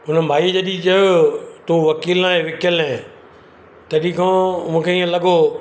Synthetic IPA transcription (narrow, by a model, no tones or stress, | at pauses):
ʊnəbʱaːid͡ʑɐɗĩt͡ɕɐot̪ũːʋɐkiːlnãːẽʋɪkjəlẽː | t̪ɐɗĩkʰãːmũːkʰeiːẽlɐɠoː